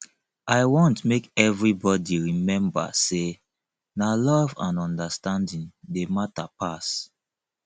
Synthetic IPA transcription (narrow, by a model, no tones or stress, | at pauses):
aɪwɔ̃ntmekɛvɹibɔdiɹimɛ̃mba̰se | nalɔvã̰nɔ̃ndastãndĩndematapas